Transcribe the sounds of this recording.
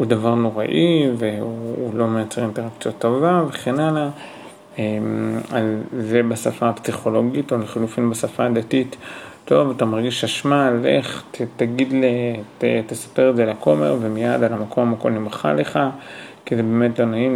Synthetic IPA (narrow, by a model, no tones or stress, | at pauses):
ud̪avaʁno̞ʁa̰ʔiveuːlo̞mejat͡seʁinteʁakt͡sjot̪ːovaveχenala | emalzebasafapsiχo̞lo̞ɡitoleχilufinbasafad̪atitːo̞vat̪amaʁɡiʃaʃmalḛχttaɡidletetesḁpeʁezelako̞me̞̰ʁvemijad̪alamako̞mmako̰lnimχa̰le̞χakizebe̞ːme̞tlo̞naim